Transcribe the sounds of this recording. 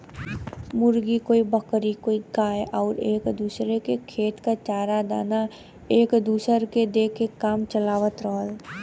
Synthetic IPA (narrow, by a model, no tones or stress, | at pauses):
mʊɾɡikoːibəkɾikoːiɡaːjɔːɾeːkd̪uːsɾekekʰeːt̪kat͡ʃaːɾad̪a̰ːna | eːkd̪uːsəɾked̪eːkekaːmt͡ʃəlaːʋət̪ɾəɦəl